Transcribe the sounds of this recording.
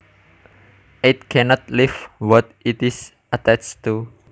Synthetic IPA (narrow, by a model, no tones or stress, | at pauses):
it̪̚kʰɛnɔt̪lifwɔt̪it̪is | ʔət̪ɛt͡ʃt̪u